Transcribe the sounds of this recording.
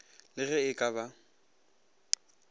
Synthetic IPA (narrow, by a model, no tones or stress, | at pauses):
lɪɣɛɪkʼaβa